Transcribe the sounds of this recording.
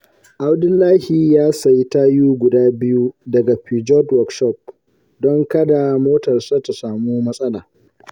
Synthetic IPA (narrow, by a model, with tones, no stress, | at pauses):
ʔa˦wdɪ˦lːaː˦hiː˨jaː˦sa˨jta˦juː˦ɡʷʊ˨daː˦bɪ˦ju˦dɐ˨ɡa˨ɸiː˨d͡ʒɔ˦dwɔ˨kʃɔ˦˨p̚ | dɔ˦ŋkɐ˦da˨moː˦tɐ˨rsa˦ta˨saː˨muː˦mɐ˦sʼɐ˦laː˨